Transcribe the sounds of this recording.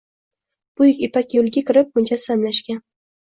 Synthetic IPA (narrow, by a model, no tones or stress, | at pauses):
b̥ʊjɪkʲɪpakʲjolˠɡʲakʲʰɪɾɪp̚ːʊnʲt͡ʃʰasamlaʃkʲan